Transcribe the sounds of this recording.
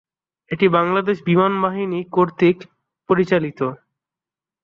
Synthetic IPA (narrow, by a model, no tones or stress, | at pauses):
eʈibaŋlad̪eʃbimanbaɦinikoɾt̪ik | poɾit͡ɕalit̪o